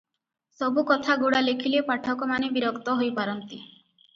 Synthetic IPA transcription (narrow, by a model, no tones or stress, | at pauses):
sɔbukɔt̪ʰaɡuɽalekʰilepaʈʰɔkɔmanebiɾɔkt̪ɔɦojpaɾɔnt̪i